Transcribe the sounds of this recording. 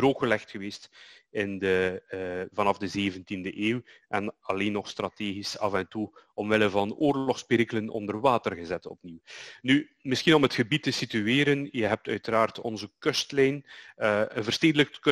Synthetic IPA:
ɾoːkəlɛxtxəʋeːstɪndə | vɑnɑvdəzeːvəntindəʔeːwʔɛnɑleːnːɔxst̪rɑteːɣisɑvɛntuɔmʋɪləvɑnoːrlɔxspɪɾiklənɔ̰ndərwaːtərɣəzɛtɔ̰pniwny | mɪsxinɔmɦətxəbitːəsityeːɾənjəɦɛp̚tœ̰ɥtəɾaːrtɔ̰nzəkɵstlɛjn | ənvərsteːdələkk

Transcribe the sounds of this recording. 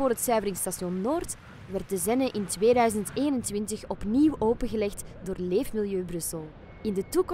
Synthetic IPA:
oːrɦətsœɥvərɪŋstasjɔnːoːrt | ʋɛrt̚dəzɛnəʔɪntʋeːdœɥzənteːnəntʋɪntəxɔpniwʔoːpəɣəlɛxtdoːrleːfmɪlˠjøːbrɵsəlˠ | ɪndətuk

